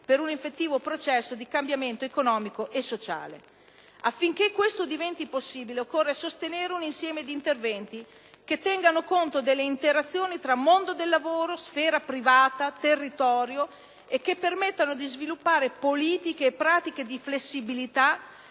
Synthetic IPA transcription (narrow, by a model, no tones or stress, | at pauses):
peɾunifet̪ːiːvopɾot͡ʃɛsːod̪ikambjament̪oekonɔːmikoʔesot͡ʃa̰ːlḛ | afːiŋk̟ekːwest̪od̪ivɛnt̪iposːiːbileokːorːesost̪eneːɾeuninsjɛːmed̪iːnt̪ervɛnt̪i | ket̪ːɛŋɡanokont̪od̪elːeint̪eɾat̪sːjoːnit̪ɾamond̪od̪elːavoːɾosfɛːɾapɾivaːt̪at̪erːit̪ɔːɾjo | ek̟ːepːermet̪ːanod̪izvilupːaːɾepoliːt̪ikeːpːɾaːt̪ik̟ed̪iflesːibilit̪a